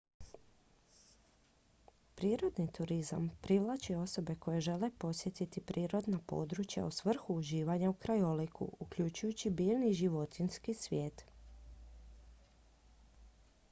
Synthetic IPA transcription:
pɾiːɾo̞d̪nit̪uɾiza̰mpɾiʋlˠat͡ʃio̞so̞be̞ko̞je̞ʒe̞le̞po̞sje̞t̪it̪ipɾʔiːɾo̞d̪napo̞̰d̪ɾut͡ʃja̰usʋr̩xuːʒiːʋaɲaukɾajolikʰṵukʎut͡ʃujut͡ɕibiːlniʒiʋo̞t̪inskisʋjeːt̪

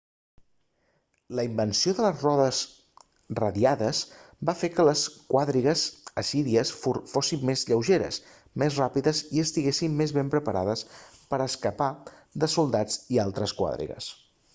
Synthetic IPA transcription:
ləimbənsioðələzrɔðəs | rəðiaðəz | bafekələskwaðɾiɣəzəsiɾiəsfosimːezʎəwʒeɾə̰s | mezrapiðəziəst̪iɣesimːezβempɾəpəɾʔa̰ðəspəɾəskəpaðəsulˠd̪ad͡zialˠt̪ɾəskwa̰ðɾḭɣə̰s

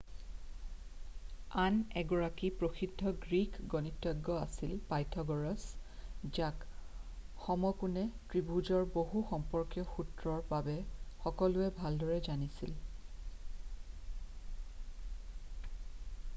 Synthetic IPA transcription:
anɛɡɔɹakipɹoxidʱːɔɡɹikɡɔnitːɔɡːɔasilpajtʰɔɡɔɹɔsd͡ʒak | xɔmɔkunɛtɹibuzɔɹboɦuxɔmpɔɹkjɔxutɹɔɹbabɛxɔkɔlʊɛbʱaldɔɹɛzanisḭl

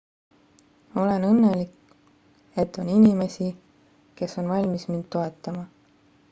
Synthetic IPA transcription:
o̞le̞nɤnːe̞lik | e̞t̪ːˑo̞ninime̞si | ke̞so̞nvɑlʲmismind̪̥t̪ːo̞e̞t̪ːˑɑmɑ

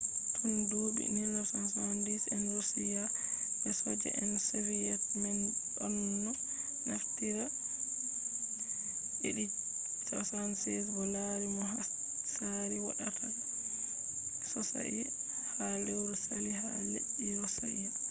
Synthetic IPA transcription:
tʰɔndoːbḭnilːasansandisɛnɔɾsijabɛsɔd͡ʒɛ̰ʔɛnsevijɛtmɛnɗɔnːɔ | naftiɾa | ʔeɗi | sɔsansɛsbɔlaɾimɔɦa | saɾiwaɗatʰa | sɔsa̰ʔi | halɛwɾɔsalihaleʔiɾɔsaʔi

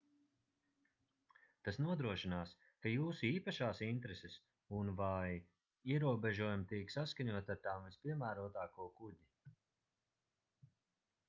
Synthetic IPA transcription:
t̪asnuɔd̪ɾuɔʃinaːs | kajuːsuiːpaʃaːsint̪ɾeses | unvaj | iɛɾuɔbʲeʒuɔjumt̪iksaskaɲuɔt̪aɾt̪aːmvispʲiɛmæːɾuɔt̪aːkuɔkudi

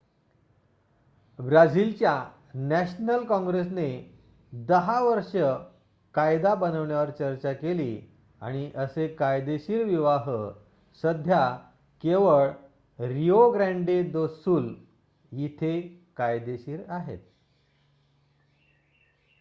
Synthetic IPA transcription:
bɾad͡zilt͡ɕja | næɕnəlkɔ̃ŋɡɾesne | d̪əɦaʋəɾʂə | kajd̪abənəʋɳjaʋəɾt͡ɕəɾt͡ɕakeliː | a̰ɽ̃iʔəsekajd̪eɕiːɾʋiʋaɦə | səd̪ʱja | keʋəɭ | ɾioɡɾæ̃ɳɖed̪osuːl | jit̪ʰekajd̪eɕiːɾaɦḛt̪̚

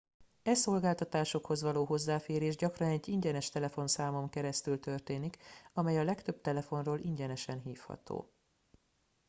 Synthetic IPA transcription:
ɛso̞lɡaːlt̪ɒt̪aːʃo̞kho̞zʋɒloːɦo̞zːaːfeːɾeːʒɟɒkrɒnɛɟːiɲɟɛnɛʃt̪ɛlɛfo̞nsaːmo̞mkɛɾɛst̪ylt̪ø̞rt̪eːnikɒmɛjɒlɛkt̪øb̥̚t̪ɛlɛfo̞nroːlʔiɲɟɛnɛʃɛnɦiːfhɒ̰t̪o̰ː

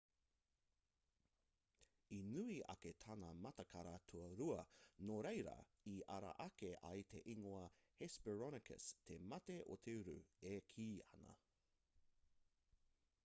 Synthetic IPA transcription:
inʉiʔɐ̰ketʰɐnɐmɐtɐkʰɐɾatʰuɐɾuɐnoɾejɾɐ̰ | iɐɾɐ̰ʔɐkeʔɐ̰jt̪ʰḛʔiŋoɐhespɛɹɔnɪkʰə̰stʰemɐteʔo̰t̪ʰeʉɾʉ̰ekʰiːɐ̰nɐ̰

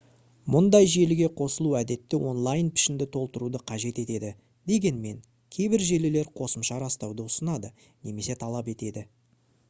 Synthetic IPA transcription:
mʊnd̪ɑjʒe̞lɪɡʲe̞qʰo̞səlˠuæd̪e̞t̪ːɪwo̞nlˠajnpʰɪ̥ʃɪnd̪ɪt̪ʰo̞lˠt̪əɾud̪əqʰɑʒe̞t̪e̞t̪e̞d̪ɪ | d̪e̞ɡʲe̞nme̞ŋ | kʲʰe̞jbɪɾʒe̞lɪle̞ɾqʰo̞səmʃɑɾɑst̪ɑwd̪əʊsənɑd̪ə | ne̞me̞se̞t̪ʰɑlˠɑpe̞t̪e̞d̪ɪ

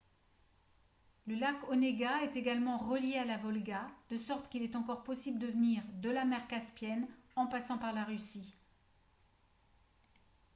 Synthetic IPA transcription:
ləlakɔneɡaɛt̪eɡalmɑ̃ʁəljealavɔlɡad̪̥əsɔʁt̪kʲilɛt̪ɑ̃kɔʁpɔsibləd̪əvəniʁd̪əlamɛʁkaspjɛnɑ̃pasɑ̃paʁlaʁysi

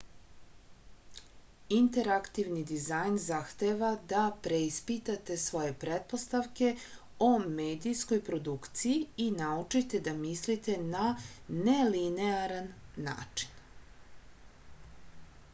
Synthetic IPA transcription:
int̪e̞ɾakt̪iʋnid̪izajnzaxt̪e̞ʋad̪apɾeispit̪at̪e̞sʋo̞je̞pɾet̪̚po̞st̪aʋke̞ | omeːd̪isko̞jpɾo̞d̪ukt̪sijiinaut͡ʃit̪e̞d̪amislit̪e̞nanelineaɾanːa̰ːt͡ʂi̥n

